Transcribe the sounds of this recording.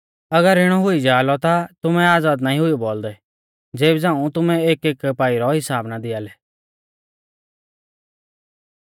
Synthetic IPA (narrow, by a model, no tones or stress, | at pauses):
ɐɡəɾɪɽ̃ɔɦʊid͡ʒaːlɔt̪at̪ʊmɛ̃aːd͡zaːd̪naːĩɦʊijuboːld̪ɛ | d͡zeːbd͡zãːũt̪ʊmɛ̃eːkeːkpaːiɾɔɦɪsaːbnad̪ɪaːlɛ